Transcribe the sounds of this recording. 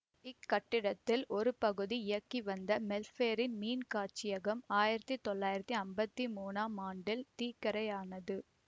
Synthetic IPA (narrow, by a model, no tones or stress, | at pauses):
ɪkːɐʈːɪɽɐt̪ːɪlʔɔɾɯpɐɣɯðiɪjɐkːiʋɐnd̪ɐmɛlfeːɾɪnmiːnkaːt͡ʃɪjɐɣɐmaːjɪɾɐt̪ːit̪ɔɭːaːjɪɾɐt̪ːiɐmbɐt̪ːimuːnaːmaːɳɖɪlt̪iːkːɐɾɐjaːnɐðɯ